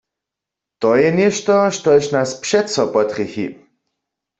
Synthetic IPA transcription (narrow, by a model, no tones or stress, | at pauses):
t̪ɔjɛnjɛʃt̪ɔʃt̪ɔʃnaspʃɛtsɔpɔt̪χixḭ